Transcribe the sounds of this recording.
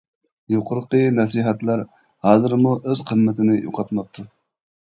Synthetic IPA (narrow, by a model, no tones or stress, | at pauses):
joqʰʊɾqənɛsiɦɛt̪læɾ | hɑːzɨɾmuʔøz̥qʰəmːɪt̪ʰɪnɪjo̰qʰɑt̪mɑp̚t̪ʰu